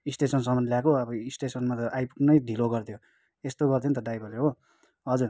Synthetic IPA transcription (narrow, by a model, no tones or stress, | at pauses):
isʈesʌnsʌmʌnljakoʌbʌisʈesʌnmat̪ʌʔajpuknʌjd̪ʱiloɡʌrt̪ʰjo | est̪oɡʌrd̪ʰent̪ʌɖajbʌleɾɦo | ɦʌd͡zur